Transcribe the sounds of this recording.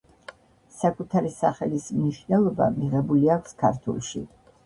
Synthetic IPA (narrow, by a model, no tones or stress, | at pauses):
sakʼut̪ʰaɾisaχɛlismniʃwnɛlˠɔba̰miʁɛbuliakʷʰskʰaɾt̪ʰṵlˠʃḭ